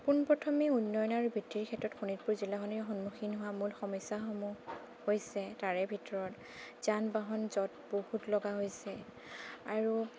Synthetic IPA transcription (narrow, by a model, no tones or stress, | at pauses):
punpɹɔtʰɔmiunːɔjɔnaɹubʱitːiɹkʰɛtɹɔtxʰunit̚puɹzilaɦɔnixɔnmuxʰinɦʊwamulxɔmɔjsaxɔmu | hojsɛtaɹɛbʱitɔɹɔt | z̥anbaɦɔnzɔt̚bohutlɔɡaɦojsɛ | aɹu